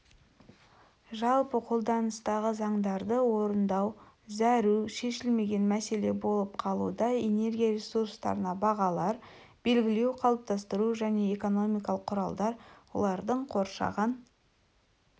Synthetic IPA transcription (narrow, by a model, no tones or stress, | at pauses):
ʒɑlˠpəqʰo̞lˠd̪ɑnəst̪ɑʁəzɑɴd̪ɑɾd̪əwo̞ɾənd̪ɑw | zæɾuʃe̞ʃɪlme̞ɡʲe̞nmæse̞le̞bo̞lˠəp̚qʰɑlˠṵd̪ɑe̞ne̞ɾɡʲijaɾe̞suɾst̪ɑ̰ɾənɑbɑʁɑlˠɑɾ | b̥e̞lɡʲɪle̞wqʰɑlˠəp̚t̪ʰɑst̪əɾuʒæne̞ːko̞no̞mijkɑlˠəqʰːʊɾɑlˠd̪ɑɾwo̞̰lˠɑɾd̪əɴqʰo̞ɾʃɑ̰ʁən